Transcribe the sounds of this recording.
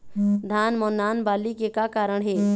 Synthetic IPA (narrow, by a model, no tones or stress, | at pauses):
d̪ʱaːnmɔːnːaːnbaːlikekakaːɾəɽ̃ɦɛː